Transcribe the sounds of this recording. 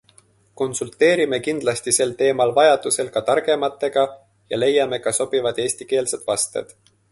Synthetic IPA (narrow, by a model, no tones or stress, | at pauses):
ko̞nsult̪ːˑe̞ːɾime̞kind̪̥lɑst̪ise̞lt̪e̞ːmɑlvɑjɑd̪̥use̞lkɑt̪ɑrɡ̥e̞mɑt̪ːˑe̞ɡ̥ɑ | jɑ̰le̞jɑme̞kɑso̞b̥ivɑd̪̥e̞ːsʲt̪ike̞ːlse̞d̪̥vɑst̪e̞̰d̪̥